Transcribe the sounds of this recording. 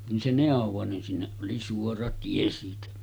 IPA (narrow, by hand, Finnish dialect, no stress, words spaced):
nin se neˑoʋˑo nin sinːeʔ ʔoli suorɑ tie siːtæ